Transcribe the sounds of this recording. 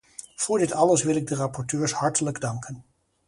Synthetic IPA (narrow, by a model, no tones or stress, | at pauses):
v̥ʊːɹdɪtɑləsʋɪlɪɡ̚dərɑpɔɹtøːɹshɑɹtələɡdɑŋkʰən